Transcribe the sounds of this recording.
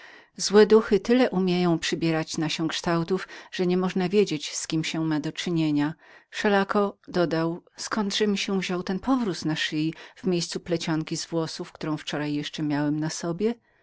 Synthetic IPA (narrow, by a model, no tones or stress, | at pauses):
zwɛd̪uxɘt̪ɘlɛʔumʲjejɔ̃w̃pʂɘbʲjɛɾat͡ɕnaɕɛkʂt̪awt̪ufʐ̥ɛɲɛmɔʐnavʲjed͡ʑet͡ɕskʲimɕɛmad̪ɔt͡ʂɘɲeɲafʂɛlakɔd̪ɔd̪awskɔnd̪ʐɛmʲiɕɛvʑɔwt̪ɛnpɔvɾut̪naʂɘjiv̥mʲjejst̪suplɛt͡ɕɔŋkʲizvwɔsufkt̪uɾɔ̃w̃ft͡ʂɔɾajːɛʂt͡ʂɛmʲjawɛmnasɔbʲjɛ